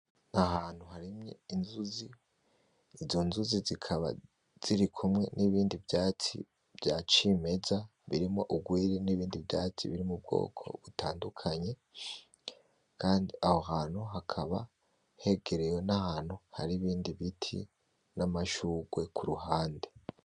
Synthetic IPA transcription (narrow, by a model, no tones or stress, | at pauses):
nahaːn̥huhaɾimɲeinzuziː | zo̞nzuzizikʰaβa̰ | z̥iɾikʰumŋe̞niβiːndivjaːt͡sḭ | b̥ɟat͡ʃime̞zaβiɾimo̞ʔuɡwiːɾiniβiːndivjaːt͡sḭβiɾimub̚ɡo̰ːkʰo̞̰βutaːndukʰaɲe̞ | kʰaːndiʔaho̞ɦaːnhuɦakʰaβa | he̞ɡe̞ɾejonahaːnhuha̰ɾiβiːndiβitʰḭ | namaʃuːɡwe̞kʰuɾuhaːnde